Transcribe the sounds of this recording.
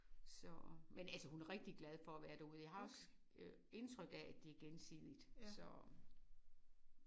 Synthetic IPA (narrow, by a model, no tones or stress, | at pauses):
sɒmenælsəhunæɐʁeɡ̥̚d̥iɡ̥læð̞ˠfɒæʋæːɐɾ̥æuð̞ˠjɑɦɑ̈ɒ̽s | e̝nt͡sʰʁœɡ̥ææd̥e̝æɐɡ̥ensḭːð̰ˠid̥sɒ